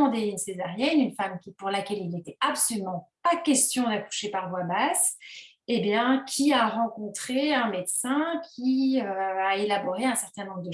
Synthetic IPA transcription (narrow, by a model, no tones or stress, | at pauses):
ɑ̃d̪einsezaʁjɛnynfamkʲipuʁlakʲɛlilnet̪ɛapsɔlymɑ̃pakʲɛst̪jɔ̃d̪aku̥ʃepaʁvwabas | ebjɛ̃kʲʰiaʁɑ̃kɔ̃t̪χeɛ̃med̪sɛ̃kʲʰiøaelabɔʁeɛ̃sɛʁt̪ɛ̃nɔ̃bʁəd̪ə